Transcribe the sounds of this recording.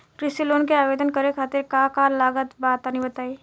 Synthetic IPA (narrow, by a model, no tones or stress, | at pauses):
kɾɪsiloːnkeaːbeːd̪ənkəɾekʰaːt̪ɪɾkaːkaːɾlaːɡət̪baːt̪anɦĩbət̪aːi